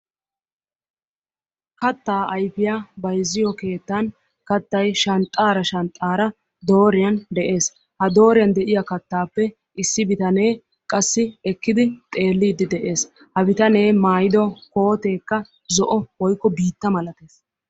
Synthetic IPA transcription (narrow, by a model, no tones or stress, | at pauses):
kɐt̪ːaːɐjfɪjabɐjzːɪjɔke̞ːt̪ːɐn | kɐt̪ːɐjʃɐnt̪ʼːaːɾɐʃɐnt̪ʼːaːɾɐ | d̪o̞ːɾɪjɐnd̪ɛʔe̞ːs | hɐd̪o̞ːɾɪjɐnd̪ɛʔɪjɐkɐt̪ːaːpːɛ | ɪsːɪbɪt̪ɐne̞ː | kʼɐsːɪɛkːɪd̪ɪt̪ʼe̞ːlːiːd̪ɪd̪ɛʔe̞ːs | hɐbɪt̪ɐne̞ːmaːjɪd̪ɔkoːt̪e̞ːkːɐ | zɔʔɔwɔjkːɔbiːt̪ːɐmɐlɐt̪e̞ːs